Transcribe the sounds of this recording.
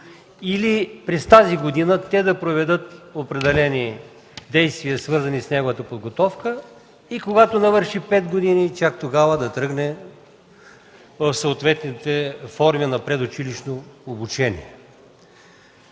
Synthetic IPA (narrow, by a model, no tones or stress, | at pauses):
ilipɾɛst̪aziɡod̪inət̪ɛd̪ɐpɾovɛd̪ɤt̪opɾɛd̪ɛlɛni | d̪ɛjst̪viəsvɤɾzɐnisnɛɡovət̪əpod̪ɡot̪ɔfkə | ikoɡat̪onɐvəɾʃipɛd̪ɡod̪init͡ʃak̚t̪oɡavəd̪ɐt̪ɾɤɡnɛ | vəfsooːt̪vɛt̪nit̪ɛfɔɾminɐpɾɛd̪ʊt͡ʃiliʃnoːbut͡ʃɛnḭɛ